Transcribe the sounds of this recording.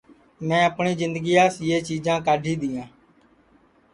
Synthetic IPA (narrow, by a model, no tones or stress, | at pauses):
mɛ̃ːəpɳiːzɪnd̪əɡiːjaːsjeːt͡ʃiːd͡ʒãːkaːɖʱiːd̪iːjãː